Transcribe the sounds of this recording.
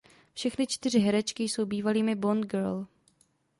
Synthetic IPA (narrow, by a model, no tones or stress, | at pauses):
fʃɛxnɪt͡ʃt̪ɪr̝ɪɦɛɾɛt͡ʃkɪjso̞wbiːvaliːmɪbond̪ɡɛɾl